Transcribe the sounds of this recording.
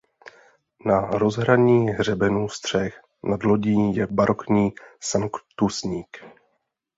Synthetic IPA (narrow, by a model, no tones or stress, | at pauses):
naɾo̞zɦɾaɲiːɦr̝ɛbɛnust̪r̝̥ɛx | nadlo̞ɟiːjɛbaɾʔo̞kɲiːsaŋkt̪usɲiːk